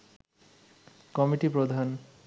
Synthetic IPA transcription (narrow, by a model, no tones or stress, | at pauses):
kɔmiʈipɾod̪ʱan